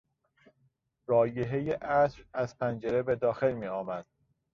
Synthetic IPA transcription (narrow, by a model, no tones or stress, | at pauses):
ɾɒːjeɦejeʔæsɾæz̥pʰænd͡ʒe̞ɾe̞be̞d̪ɒːxe̞lmiːɒːmæd̪̥̚